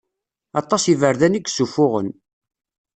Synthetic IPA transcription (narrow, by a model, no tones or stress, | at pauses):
ɑt̪ˤːɑsivəɾðæniɡsufʊʁə̰n